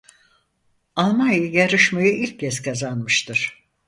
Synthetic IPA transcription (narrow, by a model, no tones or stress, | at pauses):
alˠmanjɯjaɾɯʃmajɯʔilʲcʰːɛskʰazanmɯʃt̪ʰɯɾ̥